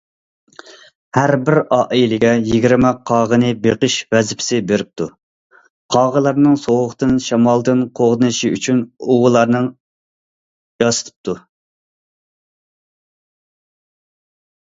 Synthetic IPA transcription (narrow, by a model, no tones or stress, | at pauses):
hæɾbɪɾɑːʔilɪɡʲɛjiɡʲiɾmɛqʰɑːʁənɨbeqəʃvɛzɪpʰɪ̥sɪbeɾɪp̚t̪ʰu | qʰɑʁəlˠɑɾnɨŋsoʁəχt̪ɨnʃɑmɑlˠd̪ɨnqʰoʁd̪ɨnɨʃiy̰t͡ʃʰynoʁʊlˠɑɾnɨŋ | jɑsɨ̥t̪ʰɨ̥p̚t̪ʰu